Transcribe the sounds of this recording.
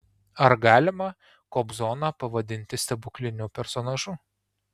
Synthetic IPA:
ɐɾɡɑːlʲɪmɐ | kɔːbzɔːnɑpɐʋɐd̪ʲɪnʲt̪ʲɪsʲt̪ʲɛbʊkʲlʲɪnʲupʲɛɾsɔnɐʒʊ

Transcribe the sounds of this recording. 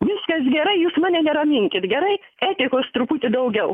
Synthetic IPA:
ʋʲɪskɐsɡʲɛɾɐɪjuːsmɑːnʲɛnʲɛɾɐmʲɪŋʲkʲɪt̪ɡʲɛɾɐɪ | æːt̪ʲɪkoːst̪ɾʊpuːt̪ʲɪd̪ɐʊɡʲɛʊ

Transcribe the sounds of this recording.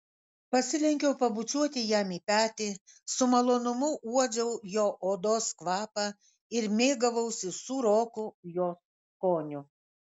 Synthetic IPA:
pɐsʲɪlʲɛŋʲkʲɛʊpɐbʊt͡ʃʲuɔt̪ʲɪjæmiːpʲæːt̪ʲɪ | sʊmɐlˠoːnʊmʊuɔd͡ʒʲɛʊjoːʔoːd̪oːskʋɑːpɑ | ɪɾmʲeːɡɐʋɐʊsʲɪsuːɾoːkʊjoːs | koːnʲʊ

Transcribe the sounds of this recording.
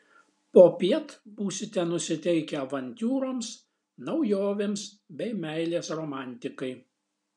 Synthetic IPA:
poːpʲiɛt̪buːsʲɪt̪ʲɛnʊsʲɪt̪ʲɛɪkʲɛʋɐnʲt̪ʲuːɾoms | nɐʊjoːʋʲeːms | bʲɛɪmʲæˑɪlʲeːsɾoːmɑˑnʲt̪ʲɪkɐɪ

